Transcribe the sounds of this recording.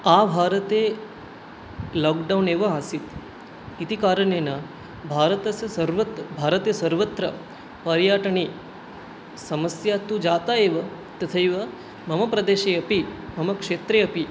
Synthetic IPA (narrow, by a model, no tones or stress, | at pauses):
abʱaːɾət̪e | lɔːkɖawneːʋɐaːsit̪ | it̪ikaːɾəɳeːna | bʱaːɾət̪ɐsɐsɐɾʋɐt̪bʱaːɾət̪jɐsɐɾʋət̪ɾɐ | pɐɾjaːʈɐɳ̃i | sɐməsjat̪ud͡ʒaːt̪aeːʋɐ | t̪ɐt̪ʰɐjʋɐ | mɐmɐpɾɐd̪eːʃeɐpimɐmɐkʂeːt̪ɾeɐpi